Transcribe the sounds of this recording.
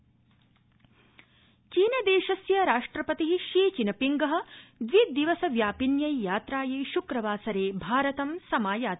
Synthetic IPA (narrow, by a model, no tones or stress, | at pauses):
t͡ʃiːnɐd̪eːʃɐsjɐɾaːʂʈɾɐpɐt̪iɦiʃiːt͡ʃinɐpiŋɡɐɦɐ̆d̪ʋid̪iʋɐsɐʋjaːpinjɐjjaːt̪ɾaːjeːʃukɾɐʋaːsɐɾeːbʱaːɾɐt̪ɐmsɐmaːjaːt̪